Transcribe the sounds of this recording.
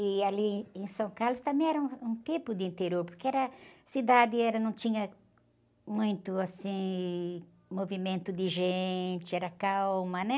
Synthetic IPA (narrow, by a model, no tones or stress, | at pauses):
ɪalĩẽsɐ̃kaɾlʊst̪ɐ̃mẽj̃ɛɾɐũũt̪ẽpʊd̪ɪĩnt̪eɾjoɾpoɾkeɛɾɐsid̪ad̪ɪɛɾɐnɐ̃w̃t͡ʃ̪ĩɲɐ | mũj̃t̪ʊasĩ | movimẽnt̪ʊd̪ɪʒẽt͡ʃ̪ɪɛɾɐkawmɐnɛ